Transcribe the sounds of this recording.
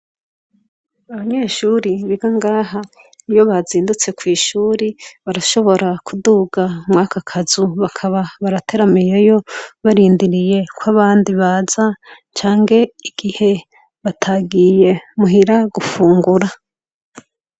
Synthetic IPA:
aβaɲe̞ːʃuɾiβiɡaŋɡaːɦa | ijo̞βaziːndut͡se̞kwiːʃuːɾiβaɾaʃo̞βo̞ɾakʰuduːɡamŋaːkakʰazuβakʰaβaβaɾatʰe̞ɾamijejo̞βaɾiːndiɾije̞kwaβaːndiβaːz̥a | t͡ʃaːŋɡe̞iɡ̥ihe̞ | βatʰaɡije̞muɦiɾaɡufuːŋɡuɾa

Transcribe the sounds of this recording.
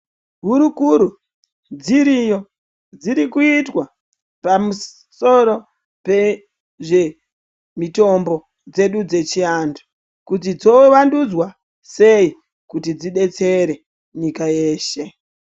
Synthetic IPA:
ɦuɾukuɾu | d͡ziɾijo | d͡ziɾikuitwa | pamu | so̞ɾo̞ | pe̞ | ʐe̞ | mito̞mbo̞ | d͡ze̞ɗud͡ze̞t͡ʃiandu̥ | kut̬id͡zo̞ʋandud͡zwa | se̞i | kutid͡ziɓe̞t͡se̞ɾe̞ | ɲikaje̞ːʃe̞

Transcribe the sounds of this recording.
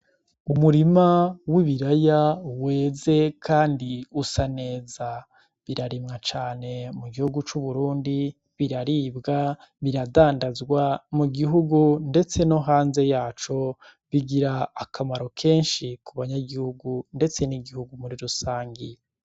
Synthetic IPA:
umuɾimawiβiɾajawe̞ːze̞kʰaːndiusane̞ːza | βiɾaɾimŋat͡ʃaːne̞muɡihuɡut͡ʃuβuɾuːndi | βiɾaɾibɡa | βiɾadaːndazɡwamuɡiɦuɡunde̞t͡se̞no̞ɦaːnze̞jaːt͡ʃo̞ | βiɡiɾaːkamaɾo̞kʰe̞ːnʃikuβaɲaɡihuɡunde̞t͡se̞niɡihuɡumuɾiɾusaːŋɡi

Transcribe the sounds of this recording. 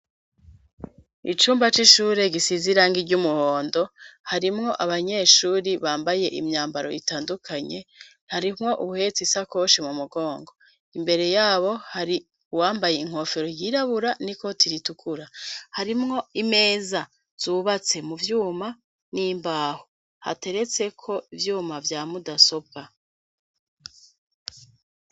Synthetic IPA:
it͡ʃuːmbat͡ʃiʃuːɾe̞ɡisiziɾaŋɡiɟumuhoːndo̞haɾimŋo̞ʔaβaɲe̞ːʃuːɾiβaːmbaje̞ʔḭmɲaːmbaɾo̞̰itaːndukʰaɲe̞ | haɾimŋo̞ʔuuhe̞t͡sisakoʃemumuɡo̞ːŋɡo̞ | imbe̞ɾe̞jaːβo̞haɾi | uwaːmbaje̞iŋ̥ho̞ːfe̞ɾo̞jiːɾaβuɾaniko̞tʰiɾitukʰuɾahaɾimŋo̞ime̞ːza | z̥uβat͡se̞muvjuːma | nimbaːho | ha̰te̞ɾe̞t͡se̞kʰo̞ivjuːmavjaːmudaso̞b̚ka

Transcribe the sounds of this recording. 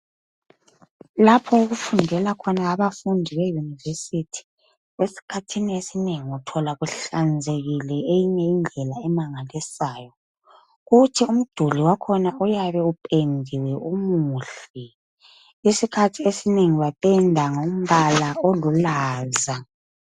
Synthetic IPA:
lapʰɔuɣufundʱɛlakʰɔnaːβafundʱiβejunivesitʰi̥ | esi̥kʰatʰiniesineŋiutʰɔlaɣuɬand͡zʱeɣilɛejiɲɛind͡ɮʱɛlaɛmaŋalisaːjɔ | ɣutʰium̩d̥ʱuliwakʰɔnaʔujaβɛupʼendʱiwɛʔumuɬi | isikʰatʰiesineŋiβapʼɛndʱaŋom̩βalaolulaːza

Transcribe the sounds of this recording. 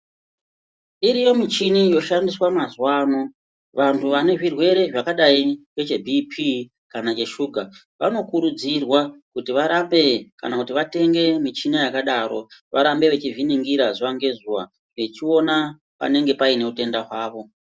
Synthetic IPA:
iɾijo̞mit͡ʃinijo̞ʃandiswamazwaːno | ʋantʰuʋane̞ʐirwe̞ɾe̞ʐakaɗaiwet͡ʃe̞bʱipʰi | kanat͡ʃe̞ʃuɡʱa | ʋa̰no̞kuɾud͡zirwakutiʋaɾambe̞kanakutiʋate̞ŋɡe̞mit͡ʃinijakaɗaɾo̞ʋʔaɾambe̞ʋe̞t͡ʃiviniŋɡiɾazuwaŋɡe̞zuwa̰ | ʋe̞t͡ʃio̞na | pa̰ne̞ŋɡe̞paine̞ute̞ndaɦwaːʋo̞

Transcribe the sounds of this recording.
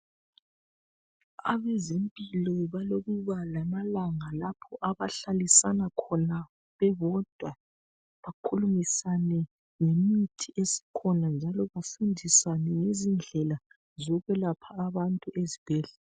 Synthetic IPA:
a̰βezempʼilɔβaloɣuβalamalaŋalapʰɔʔaβaɬalisanakʰɔna | βɛβɔd̥ʱwa | βakʰulumisanɛ | ŋemitʰiesi̥kʰɔnand͡ʒʱalɔβafundʱisanɛŋezind͡ɮʱɛla | zɔɣɛlapʰaːβantʼuʔezib̥ʱɛːɮɛ

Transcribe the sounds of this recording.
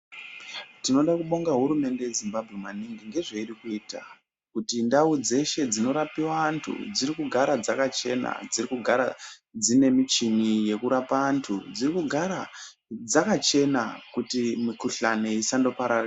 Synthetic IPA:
tino̞ɗakuɓo̞ŋɡaɦuɾume̞nde̞jezimbabʱɣe̞maniŋɡiŋɡe̞ʐeiɾikuita̰ | kutindaud͡ze̞ʃe̞d͡zino̞ɾapiwaːntʰṵd͡zirikuɡʱaɾad͡zakat͡ʃe̞na̰d͡zirikuɡʱaɾad͡zine̞mit͡ʃinije̞kuɾapaːntʰud͡zirikuɡʱaɾa | d͡zakat͡ʃe̞nakutimikuɬane̞isando̞paɾara

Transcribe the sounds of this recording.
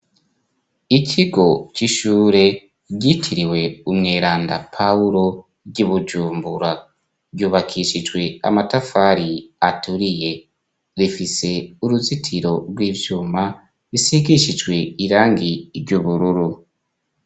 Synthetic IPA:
icʰiɡo̞ciʃuːɾe̞ | ɟitʰiɾiwe̞umŋeːɾaːnda̰pʰauɾo | ɟuβud͡ʒuːmbuɾa | ɟuːβakʰiʃid͡ʒɡwe̞a̰matafaːɾiatʰuɾije̞ | ɾifise̞uɾuzitʰiɾo̞ɾɡwiːvjuːma | ɾisiɡiʃid͡ʒwe̞iɾaːŋɡiɾɟuβuɾuɾu

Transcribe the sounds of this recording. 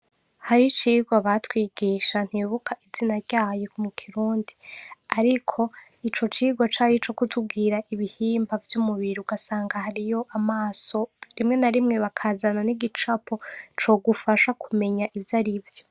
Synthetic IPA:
haɾit͡ʃiːɡwaβatwiːɡiːʃan̥hiβukʰaʔizinaɾɟaːjekumukʰiɾuːndiaɾikʰo̞ | it͡ʃo̞t͡ʃiːɡwat͡ʃaːɾit͡ʃo̞kutʰub̚ɡiːɾaʔiβihiːmbavjumuβiɾuuɡasaːŋɡahaɾijo̞ʔamaːso̞ɾimŋe̞naɾimŋe̞βakʰaːzananiɡit͡ʃapot͡ʃo̞ːɡufaʃakʰume̞ɲaʔivjaɾivjo

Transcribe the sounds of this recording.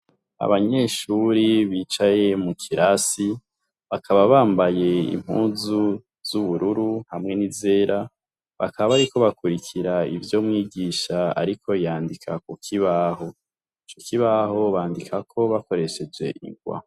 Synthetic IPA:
a̰βaɲe̞ːʃuɾiβiːt͡ʃaje̞mukʰiɾʔasi | βakʰaβaβaːmbaje̞ḭm̥hṵːnzu | z̥uβuɾuɾuhamŋe̞nize̞ːɾa | βa̰kʰaβaβaɾiko̞βakuɾikʰiɾaḭvjo̞mŋiːɡiːʃaa̰ɾikʰo̞jaːndikʰakukʰiβaho̞ | it͡ʃokʰiβaɦo̞βaːndikʰakʰo̞βako̞ɾe̞ʃe̞d͡ʒe̞̰ʔḭŋɡwa̰

